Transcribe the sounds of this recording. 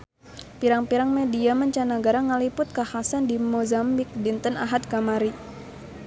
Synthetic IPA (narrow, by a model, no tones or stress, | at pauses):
piɾaŋpiɾaŋmɛdiaməɲt͡ʃanaɡaɾaŋalipʊt̪̚kahasandimozambik̚dint̪ənaɦat̪̚kamaɾi